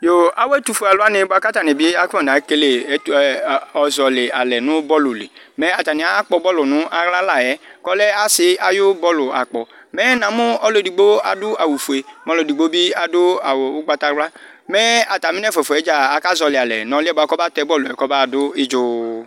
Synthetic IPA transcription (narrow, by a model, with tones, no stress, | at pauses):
jo˨a˦wɛ˦tu˧fu˨a˨lʊ˦a˦nɪ̃˧˦bʊ˦a˨˦ka˦ta˨nɪ̃˨bi˦a˦kɔ̃˦˨n˨a˨˦ke˦le˨˦˨ɔ˨zɔ˨le˨a˨lɛ˨nʊ̃˨˦bɔ˦lʊ˨lḛ˨ | mɛ˨˦a˨ta˨nĩ˨a˨˦a˦k͡pɔ˧bɔ˦lʊ˨nʊ̃˨˦ʔa˨ɣla˦la˨ɛ˨˦kɔ˦lɛ˦a˦sɪ˧a˨jʊ˦bɔ˦lʊ˨a̰˨k͡pɔ˨mɛ˦nã˨˦mʊ̃˦ɔ˦lo˦˨di˨ɡ͡bo˦a˨dʊ˦a˨wu˨fu˨e˨mɔ˨˧lo˨di˨ɡ͡bo˦bi˦a˨dʊ˦a˨wʊ˦ɡ͡ba˧ta˧wla˦ | mɛ˦a˨ta˨mi˦n˦ɛ˦fɛ˨fu˨ɛ˨˦d͡ʒa˦˨a˨ka˦zɔ˧le˨a˨lɛ̰˨nɔ̃˨˦lɪ˦ɛ˦bɔ˦a˧˦kɔ˦ba˦tɛ˦bɔ˦lu˨ɛ˨kɔ˦ba˦˨dʊ˦ɪ˦d͡ʒʊ˦